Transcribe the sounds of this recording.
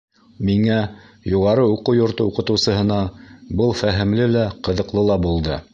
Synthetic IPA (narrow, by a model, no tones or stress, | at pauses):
miŋæjuʁɑɾɤuqɤwjŏɾt̪ɤuqɤ̆t̪ɤ̆wsɤ̆ɦɤ̆nɑbɤlˠfæɦɘ̆mlɘlæqɤ̆ðɤ̆qlˠɤlˠɑbulˠd̪ɤ